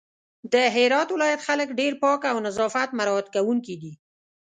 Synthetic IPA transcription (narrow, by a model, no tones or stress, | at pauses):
d̪əɦɪɾɑt̪wɪlɑjat̪xaləkɖeɾpɑkawnazɑfat̪maɾɑt̪kawuŋkid̪i